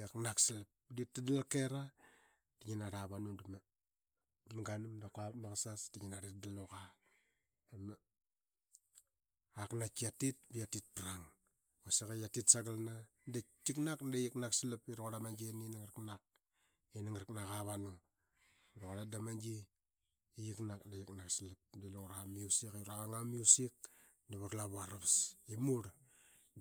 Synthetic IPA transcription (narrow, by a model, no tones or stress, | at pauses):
aknaksilap̚ditːadalakeɾa | d̥iɲinaɾaβanuduma | maŋɡanumdakapnakasasdiɲinaɾit̚daloka | ema | aknat͡ʃiatit̚bijatit̚pɾaŋ | osekajatitsaɡalna | det͡ʃiknakndejiknaksilapiɾoɣoɾamand͡ʒininaŋɾknak̚ | iniŋɾknakaβano | iɾoɣaɾadamand͡ʒi | ijiknakndejiknaksilap̚deluŋɾamiusikuɾaaŋamijusik̚ | daβaklaβuaɾaβsimuɾ